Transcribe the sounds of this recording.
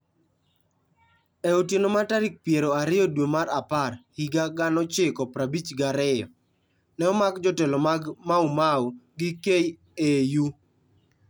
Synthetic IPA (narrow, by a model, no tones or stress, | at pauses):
ɛotjenomataɾik̚pjeɾoaɾɪɔdwemaɾaparhiɡaɡanɔt͡ʃɪkɔpɾabit͡ʃɡaɾɪjɔ | nɛɔmaɡd͡ʒɔtɛlomaɡmaumawɡikej | eju